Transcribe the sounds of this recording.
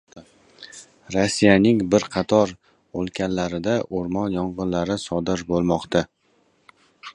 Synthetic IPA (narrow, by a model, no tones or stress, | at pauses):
ɾosːijanɪŋbɪɾqʰɑt̪ʰɒɾ | olˠkʲʰanlaɾɪd̪aʔoɾmɒnjɒɴʁɨnlaɾɪsɒd̪ɪɾbolˠmɒqt̪a